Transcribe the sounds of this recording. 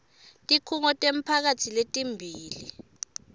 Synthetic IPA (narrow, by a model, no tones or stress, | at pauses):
tʼikʰuŋɔtʼem̩pʰak̬atʰiletʼimbʱiːlḭ